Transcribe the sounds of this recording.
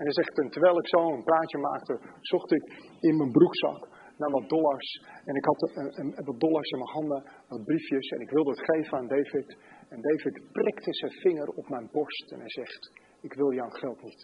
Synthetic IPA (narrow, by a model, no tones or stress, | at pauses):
ɛnɛjzɛχtəntəʋɛjlˠɪksowənpraːtjəma̰ːk̚təz̥ɔχtɪkɪnmənbruksɑ̰k | naːʋɑt̚dɔlˠaɹsɛnɪkɦɑtʋɑt̚dɔlˠaɹsɪnməɦɑndəʋɑt̚brifjəsɛ̰nɪkʋɪlˠdəətχejvənaːndejvɪtɛndejvɪtprɪktəzɛjnfɪŋərɔpmɛjnbɔɹstɛ̰nɛjzɛχt | ɪkʋɪlˠjawnχɛlˠtnit